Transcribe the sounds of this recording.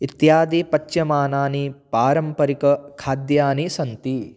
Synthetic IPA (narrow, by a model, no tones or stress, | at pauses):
it̪jaːd̪ipɐt͡ʃːjɐmaːnaːnipaːɾɐmpɐɾikɐkʰaːd̪jaːnisɐnt̪i